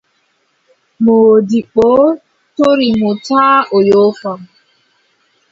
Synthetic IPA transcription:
modik͡po | toɾimʊtaojofɔm

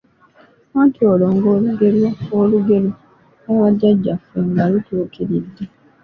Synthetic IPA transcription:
matʰoːloːŋɡoːluɡe̞ɾwooluɡe̞ɾo | owaɟːaɟːafeŋɡalutuːkiɾidːe

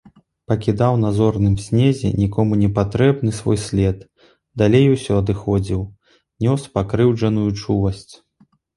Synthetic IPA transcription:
pɐkʲid̪awnazɔrnɨmsʲnʲezʲɛ̰nʲikɔmunʲɛpat̪ɾɛbnɨsvɔ̰jsʲlʲɛt̪ | d̪alʲejusʲɔɐd̪ɨxɔd͡zʲiw | nʲɔspakɾɨwd͡ʐɐnujut͡ʂuvɐsʲt͡sʲ

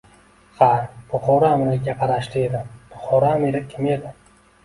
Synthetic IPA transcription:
χab̥ʊχɒɾamɪlɪɡʲaqʰɑɾaʃlɪe̞d̪ɪb̥ʊχɒɾameɾɪkʲʰɪme̞d̪ɪ

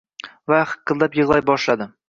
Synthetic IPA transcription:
vaχɨ̥qʰːɨlˠlˠapjɨʁlˠajbɒʃlad̪ɪm

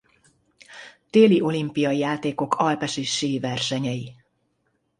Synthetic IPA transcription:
t̪eːliʔo̞limpijɒijaːt̪eːko̞kʰɒlpɛʃiʃeːvɛrʃɛɲɛji

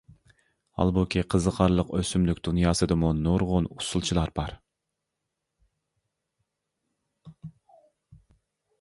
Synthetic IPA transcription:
hɑ̰lˠbukʲʰiqʰəzəqʰɑɾlˠəqøsymlykʲd̪unjɑːsɨd̪ɨmunoɾʁʊnusulˠt͡ʃʰilˠɑɾbɑɾ

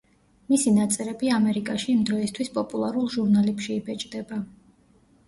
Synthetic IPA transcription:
misinat̪sʼɛɾɛbiamɛɾikʼaʃiːmd̪ɾɔist̪ʰwispʼɔpʼulˠaɾulˠʒuɾnalɛpʃiːbɛt͡ʃʼd̪ɛba

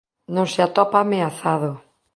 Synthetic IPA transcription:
nõŋseat̪ɔpaːmeaθaðo

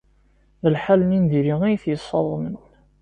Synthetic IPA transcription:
ðəlħalənind̪iɾiŋæjθjəsˤːɑðˤmən

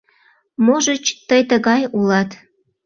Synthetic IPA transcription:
moʒət͡ɕt̪əjt̪əɣɑjulɑt̪

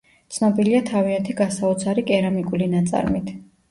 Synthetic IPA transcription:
t̪sʰnɔbiliat̪ʰaviant̪ʰiɡasaɔt̪sʰaɾikʼɛɾamikʼulinat̪sʼa̰ɾmit̪ʰ

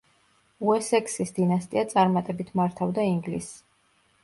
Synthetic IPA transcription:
uɛsɛkʰsisd̪inast̪ʼiat̪sʼaɾmat̪ʼɛbit̪ʰmaɾt̪ʰavd̪aiŋɡlis

